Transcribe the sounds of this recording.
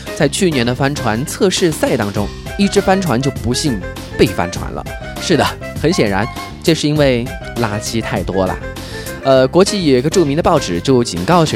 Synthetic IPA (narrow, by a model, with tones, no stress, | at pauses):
t͡sa˥˧ɪt͡ɕʰy˥˩njɛ˧˥nd̪ə˧fa˥nʈ͡ʂʰwa˧˥nt͡sʰɤ˥˧ʂɻ̩˥˧sa˥˩ɪt̪ɑ˥ŋʈ͡ʂʊ˥ŋi˥˩ʈ͡ʂɻ̩˥fa˥nʈ͡ʂʰwa̰˧˥nt͡ɕjo˥˩ʊpu˧˥ɕi˥˧ŋ | pe˥˩ɪfa̰˥nʈ͡ʂʰwa̰˧˥nlə̰˧ | ʂɻ̩˥˩d̪ə˩ | xə˧˥nɕjɛ˨˩nɻa˧˥n | ʈ͡ʂʂɻ̩˥˩i˥nwe˥˩ɪ | la˧˥t͡ɕʰi˧˥t̪ʰa˥˩ɪt̪wɔ˥lə̰˨˩ | ə˧kwɔ˧˥t͡ɕi˥˩jo˨˩i˧˥ɡə˧ʈ͡ʂu˥˩mi˧˥ŋd̪ə˧pɑ˥˩ʊʈ͡ʂɻ̩˨˩t͡ɕjo˥˩ʊt͡ɕi˨˩nkɑ˥˩ʊ˧˥